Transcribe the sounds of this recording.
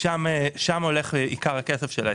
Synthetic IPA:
ʃameʃamo̞leχeikaʁhakesefʃela̰

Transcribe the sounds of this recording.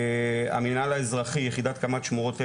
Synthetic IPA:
a̰minalaezʁaχijeχid̪at̪kamat̪ʃmuʁo̞t̪e

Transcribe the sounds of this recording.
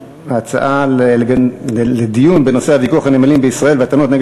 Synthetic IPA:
aat͡sa̰ʔaleeɡled̪ijunbeno̞se̞havikuaχanemalimbeisʁae̞lveat̪anot̪neɡ

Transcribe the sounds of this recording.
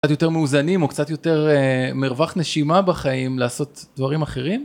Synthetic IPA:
katjo̞te̞ʁmeuzanimo̞kt͡satjo̞te̞ʁemiʁvaχne̞ʃimabaχaimlaːso̞tdvaʁimaχe̞ʁim

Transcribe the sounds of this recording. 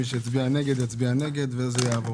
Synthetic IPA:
iʃ̬jat͡sbianɛɡɛd̪jat͡sbianɛɡɛd̪vɛzɛjavo

